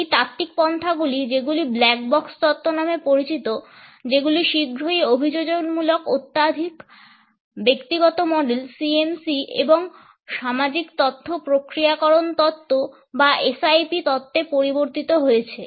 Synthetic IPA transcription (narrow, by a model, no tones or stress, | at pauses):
ejt̪at̪ːik̚pɔnt̪ʰaɡulid͡ʑeɡuliblɛk̚bɔkst̪ɔt̪ʰːonamepoɾit͡ɕit̪o | d͡ʑeɡuliʃiɡʱɾoeobʱid͡ʑod͡ʑoɡmulokot̪ːad̪ʱik | bekt̪iɡɔt̪omɔɖelsiensiḛboŋ | ʃamad͡ʑikt̪ɔt̪ʰːopɾokɾiakɔɾont̪ɔt̪ʰːo | baʔesajpit̪ɔt̪ʰːepoɾiboɾt̪it̪oɦojet͡ɕʰe